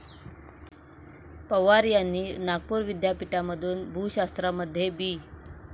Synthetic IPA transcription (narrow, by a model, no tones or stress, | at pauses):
pəʋaɾjanːiːnaɡ̚puːɾʋid̪ʱjapiʈaməd̪ʱuːnbʱuɕast̪ɾaməd̪ʱːjebiː